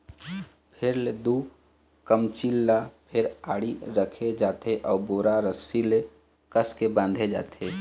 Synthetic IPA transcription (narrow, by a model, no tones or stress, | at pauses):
pʰɪɾled̪u | kəmt͡ʃilːapʰɪɾaːɽiɾəkʰed͡ʒaːt̪eʔɔːboːɾaɾəsile | kəskebãːnd̪ʱed͡ʒa̰ːt̪ʰeː